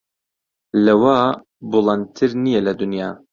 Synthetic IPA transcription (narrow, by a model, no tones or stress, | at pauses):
lɐwaː | bolˠɑn̚t̪ʰɨɾnijelɐd̪unjɑː